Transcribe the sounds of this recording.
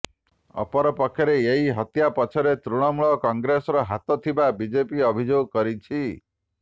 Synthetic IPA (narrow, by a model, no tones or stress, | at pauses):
ɔ̰pɔɾɔpɔkʰjɔɾeeɦiɦɔt̪japɔt͡ʃʰɔɾet̪ɾuɽ̃ɔmuɭɔkɔŋɡɾesɔɾɔɦat̪ɔt̪ʰibabid͡ʒepiɔbʱid͡ʒoɡɔkɔɾit͡ʃʰi